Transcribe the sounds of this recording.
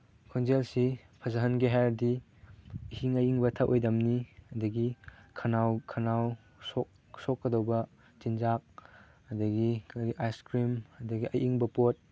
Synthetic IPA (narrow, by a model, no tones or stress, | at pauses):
kʰonzelsipʰɐzɐɦɐnɡiɦajɾdi | ihiŋɐjiŋbɐtʰɐʔojdɐmniɐdɐɡikʰɐnawkʰɐnaw | sɔk̚ | sɔkːɐdowbɐ | zinzak̚ | ɐdɐɡikaɾiʔajskɾimɐdɐɡiʔɐjʔiŋbɐpot̚